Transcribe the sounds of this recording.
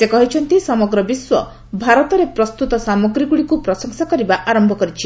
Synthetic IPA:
sekɔɦit͡ʃʰɔnt̪isɔmɔɡɾɔbiswɔ | bʱaɾɔt̪ɔɾepɾɔst̪ut̪ɔsamɔɡɾiɡuɽikupɾɔsɔŋsakɔɾibaʔaɾɔmbʱɔkɔɾit͡ʃʰi

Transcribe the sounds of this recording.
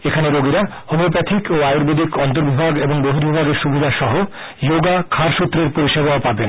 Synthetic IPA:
ekʰaneɾoɡiɾa | homop̬ɾat̪ʰikoajuɾbed̪ʱikɔnt̪oɾbʱibʱaɡeboŋboɦiɾbʱibʱaɡeɾʃubʱid̪ʱaʃɔɦo | joɡakʰaɾʃut̪ːɾeɾpoɾiʃebaapaben

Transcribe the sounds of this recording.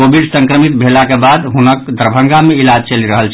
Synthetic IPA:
obʱiɖsə̃ŋkɾəmit̪̚bʱelakebad̪ɦunəkd̪ʱəɾbʱə̃ŋɡameilad͡ʒt͡ʃəliɾəɦəlt͡ʃʰ

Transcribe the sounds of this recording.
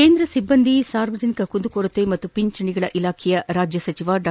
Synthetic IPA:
eːnd̪ɾɐsibːɐnd̪isaːɾʋɐd͡ʒɐnikɐkund̪ukoːɾɐt̪ːemɐt̪ːupiɲt͡ʃɐɳiɡɐɭɐʔilaːkʰijɐɾaːd͡ʒjɐsɐt͡ʃiʋaːɖ

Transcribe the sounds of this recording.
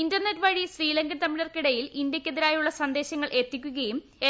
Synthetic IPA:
indɐrnetːʋɐɻiɕriːlɐŋɡɐnt̪ɐmːiɽɐrkiɽɐjilindjɐkʲːeðiɾaːjuɭːɐsɐnd̪e̞ːɕɐŋːɐɭʔe̞t̪ːikʲːuɣɐjum | e

